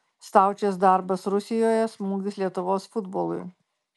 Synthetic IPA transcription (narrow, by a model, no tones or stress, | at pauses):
st̪ɑˑʊt͡ʃʲɛsd̪ɑˑɾbɐsɾʊsʲɪjoːjɛsmuːɡd̪ʲɪslʲiɛt̪ʊʋoːsfʊd̪boːlˠʊ̰j